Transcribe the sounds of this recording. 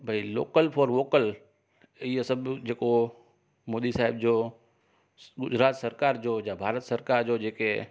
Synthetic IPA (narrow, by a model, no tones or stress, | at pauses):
bʱəilo̰ːkəlpʰɔːɾʋoːkəl | iesəbd͡ʒeːko | moːd̪isaːɦɪbd͡ʒoː | ɡʊd͡ʒɾaːt̪səɾkaːɾd͡ʒoːjabʱaːɾət̪səɾkaːɾd͡ʒoːd͡ʒeːke